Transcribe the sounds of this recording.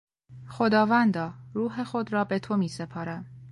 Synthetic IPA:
xo̞d̪ɒːvænd̪ɒːɾuːɦexo̞d̪ɾɒːbe̞t̪ʰo̞miːsepʰɒːɾæm

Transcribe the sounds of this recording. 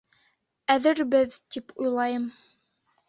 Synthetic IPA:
æðɘɾbɘðt̪ipʰujlˠɑjɤm

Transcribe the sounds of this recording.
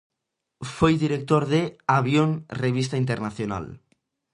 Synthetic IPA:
fojðiɾek̚t̪oɾðeaβjoŋreβist̪aint̪eɾnaθjona̰l

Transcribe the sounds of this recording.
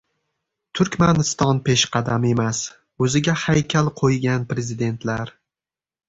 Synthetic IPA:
t̪ʰʊɾkʲmanɪst̪ɒnpʰeʃqʰɑd̪ame̞mas | ɵzɪɡʲahajkʲʰalˠqʰojɡʲanpɾe̞zɪd̪e̞nt̪ʰlaɾ

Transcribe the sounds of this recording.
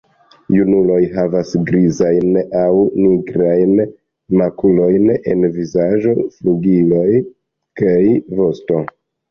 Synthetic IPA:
junulo̞jɦavasɡɾizajnawniɡɾajn | makulo̞jne̞̰nvizaʒo̞fluɡilo̞j | kajvo̞sto̞

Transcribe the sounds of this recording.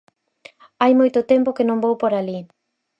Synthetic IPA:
ajmojt̪ʊt̪ɛmpokɪnõŋbowpoɾali

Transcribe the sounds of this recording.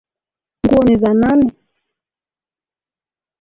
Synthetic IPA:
ŋɡuɔnizananɛ

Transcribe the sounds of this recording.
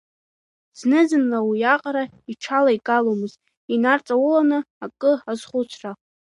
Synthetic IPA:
z̥nɨzɨnlawijaqʼaɾa | iʈ͡ʂʰalaikʼalomɨztʼ | inart͡sʼawulanɨ | akʼɨazχʷʊt͡ʃʷʰra

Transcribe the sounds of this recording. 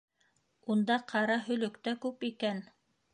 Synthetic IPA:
und̪ɑqʰɑɾɑɦɵ̆lɵ̆kt̪ækʉpikæn

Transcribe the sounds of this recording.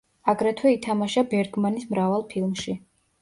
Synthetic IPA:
aɡɾɛt̪ʰwɛit̪ʰamaʃabɛɾɡmanismɾavalˠpʰilˠmʃi

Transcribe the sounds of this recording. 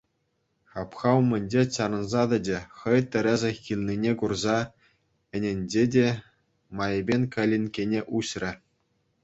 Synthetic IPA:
ɑpχɑumʲɘ̆nʲd͡ʑet͡ɕɑnɤ̆nzɑd̪ɘ̆dʲĕχɤ̆jt̪ʲɘ̆ɾʲɘ̆zʲɘ̆xʲilʲnʲinʲekurzɑ | ɘ̆nʲĕnʲd͡ʑedʲe | mɑjɘ̆bʲenʲkɑlʲːinʲkʲenʲeʔuɕrʲɘ̆

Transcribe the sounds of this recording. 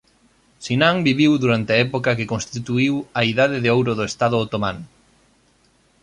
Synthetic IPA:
sinãŋbiβiwðuɾant̪ɪaɛpokɐkekonst̪it̪uiwɐiðaðɪðeowɾʊðoest̪aðʊot̪omãn

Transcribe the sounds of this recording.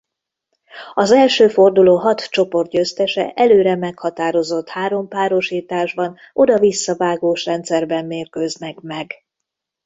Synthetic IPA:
ɒzɛlʃøːfo̞rd̪uloːɦɒt̪t͡ʃo̞po̞rt̪̚ɟøst̪ɛʃɛ̰ʔɛløːɾɛmɛkhɒt̪aːɾo̞zo̞t̪haːɾo̞mpaːɾo̞ʃiːt̪aːʒbɒn | ʔo̞d̪ɒvisːɒvaːɡoːʃrɛnt̪sɛrbɛmːeːrkøznɛkmɛɡ

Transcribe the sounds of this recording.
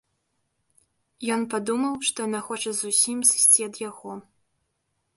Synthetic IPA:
jɔnpad̪umɐwʂt̪ɔjanaxɔt͡ʂɐzusʲimzɨ̥sʲt͡sʲiɐd̪jaɣɔ

